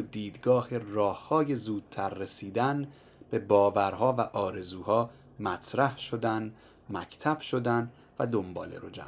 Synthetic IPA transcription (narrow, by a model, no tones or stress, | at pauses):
d̪iːd̪ɡɒːherɒːhːɒːje̞zuːd̪̥̚t̪ʰæɾːesiːd̪æn | b̥e̞bɒːvæɾɦɒːvæʔɒːɾe̞zuːhɒː | mæt̪ʰɾæhʃo̞d̪æn | mæcʰt̪ʰæb̥ʃo̞d̪æn | væd̪o̞mbɒ̰ːlḛɾod͡ʒæ̰